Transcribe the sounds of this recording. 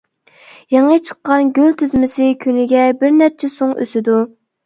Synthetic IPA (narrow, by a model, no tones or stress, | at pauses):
jɑŋət͡ʃʰə̥qːɑnɡʲølt̪ʰɪzmɪsɪkʲʰynɪɡʲɛbɪɾnɛp̚t͡ʃʰɛsoŋø̰sɪd̪u